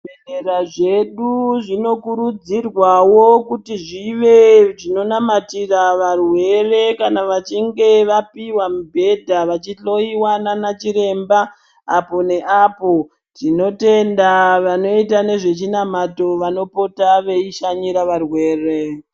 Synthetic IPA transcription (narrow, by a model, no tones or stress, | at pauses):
beneɾaʐe̞ɗuʐino̞kuɾud͡zirwawokutiʐiʋe̞ʐino̞namatiraʋarwe̞re̞kanaʋat͡ʃiŋɡe̞ʋapiwamubʱe̞dʱaʋat͡ʃiɬo̞iwananat͡ʃiɾe̞mbaː | po̞ne̞ʔapo̞ | tino̞te̞ndaʋano̞itane̞ʐe̞t͡ʃinamato̞ʋano̞po̞taʋe̞iʃaɲiɾaʋarwe̞ːre̞